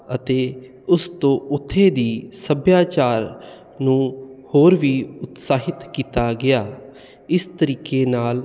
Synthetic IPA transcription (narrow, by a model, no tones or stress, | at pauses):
ət̪eː | ʊst̪õːʊt̪ʰːeːd̪iːsəbjaːt͡ʃaːɾ | nũːhoːɾʋiːʊt̪saːɦɪt̪kiːt̪aːɡɪjaː | ɪst̪əɾiːkeːnaːl